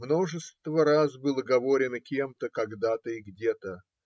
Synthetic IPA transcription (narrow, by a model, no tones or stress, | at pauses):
mno̞ʐɨst̪vəɾazbɨlˠəɡɐvo̞ɾʲɪnəkʲemt̪əkɐɡd̪at̪əiɡdʲet̪ə